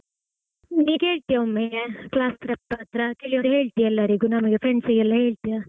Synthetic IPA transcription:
niːke̞ːɭt̪ijaomːeekɭaːst̪ɾɛpːaːt̪ɾɐkeɭiʋod̪ɦeːɭt̪ijaɛlːɐɾiɡunɐmɐɡefɾeɳɖsiɡɛlːɐɦe̞ːɭt̪ijaː

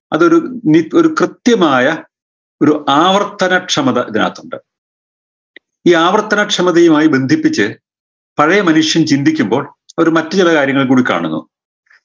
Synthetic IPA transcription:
ɐ̰ðo̞ɾunio̞ɾukrɨt̪jɐmaːjɐ | o̞ɾuʔaːʋɐrt̪ːɐnɐʈʂɐmɐðɐʔiðina̰ːt̪ːuɳɖɨ | iːaːʋɐrt̪ːɐnɐʈʂɐmɐðɐjumaːjibe̞nd̪ʱipːit͡ɕːɨ | pɐɻɐjɐmɐnuʂjɐnt͡ɕind̪ʱikʲːumbo̞ːɭ | ɐoɐɾumɐtːɨt͡ɕilɐkaːɾjɐŋːɐɭkuːɽikːa̰ːɳṵnːṵ

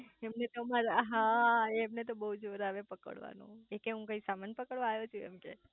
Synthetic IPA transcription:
emnet̪omaɾaɦaeːmnet̪obəɦud͡ʒoɾaʋepəkə̰ɽʋa̰nṵ̃ekeɦũkəisamanpəkəɭʋãajot͡ʃʰuḛmkḛ

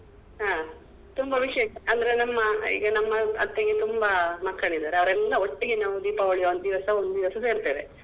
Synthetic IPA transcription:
ɦaː | t̪umbɐʋiʂjeɐɐnd̪ɐɾenɐmːɐḭːɡɐnɐmːɐɐt̪ːeɡet̪umbɐmɐkːɐɳid̪aːɾeɐʋɐɾɛlːɐoʈːiɡenaːʋud̪iːpaɐɭijɐond̪iʋɐsɐond̪d̪iʋɐsɐse̞ːɾt̪eːʋe

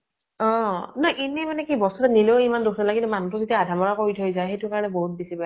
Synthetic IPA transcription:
ɔ̃nɔjʔinɛmanɛkibɔstɔtɛnileʊimandukʰnalaɡilɛmanutʊzitiaadʱamɔɹakoɹitʰojzajxejtʊkaɹɔnɛboɦut̚bisiba

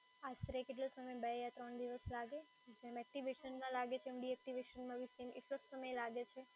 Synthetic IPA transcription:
ast̪ɾekeʈ̬losəməjbejat̪ɾəɳd̪iʋəslaɡe | d͡ʒemɛk̚ʈiʋeʃənmãlaɡet͡ʃʰemɖiɛk̚ʈiʋeʃənmãʋisenɪʈlosəməjelaɡet͡ʃʰe

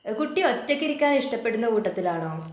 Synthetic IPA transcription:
kuʈːiot͡ɕːɐkʲːiɾikʲːaːniʂʈɐpːe̞ɽunːɐkuːʈːɐt̪ːilaːɳoː

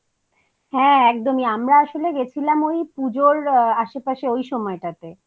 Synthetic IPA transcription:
ɦɛ̃ɛk̚d̪omiamɾaaʃoleɡet͡ɕʰilamojpud͡ʑoɾaʃepaʃeojʃɔmɔeʈat̪e

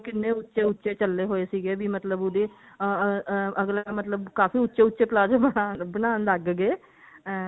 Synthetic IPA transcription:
kɪnːeʊtːʃeʊtːʃet͡ʃəlːeɦoːesiɡeːbʱimət̪ləbʊd̪e | ʔəɡlamət̪ləbkaːfiʊtːʃeʊtːʃeplaːd͡ʒebəaːbənaːnləɡɡeː

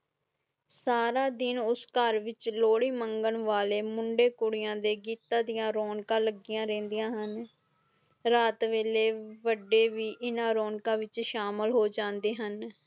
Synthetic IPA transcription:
saːɾaːd̪ɪnʊskəɾʋɪt͡ʃloːɽiːməŋɡəɳʋaːleːmʊɳɖeːkʊɽɪjãːd̪eːɡiːt̪ãːd̪ɪjãːɾoːnkãːləɡɪjãːɾɛ̃ːnd̪ijãːɦən | ɾaːt̪ʋeːleːʋəɖːeːʋiːʔɪnãːɾoːnkãːʋɪt͡ʃʃaːməlɦoːd͡ʒãːnd̪eːɦən

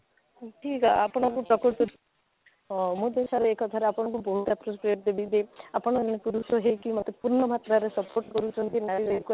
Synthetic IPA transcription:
ʈʰikapɽ̃ɔkupɾɔkoɾt̪u | mũd̪esaɾeekɔt̪ʰaɾeapɔɽ̃ɔkubɔɦut̪ɛpɾospɾieʈ̚d̪ebid̪eapɔɽ̃ɔd͡ʒnekuɾusɔɦejkimɔt̪epuɾnɔmat̪ɾaɾesɔpoɾʈkɔɾut͡ʃʰɔnt̪inaɾiɾɔku

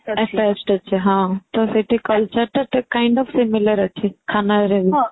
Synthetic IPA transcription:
ɛʈɛsʈɐt͡ʃʰeɦãːt̪oseʈʰekəlt͡ʃəɾt̪ɐɾt̪ɐkaːɪ̃ɳɖɔːfsɪmɪləɾət͡ʃʰekʰaːnaɾẽn

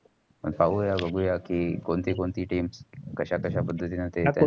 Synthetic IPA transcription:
pə̰ɳpaʋujabʱəɡuːjakiːkoɳt̪iːkoɳt̪iːʈiːmskəɕakəɕapəd̪ʱːət̪iːnət̪ea

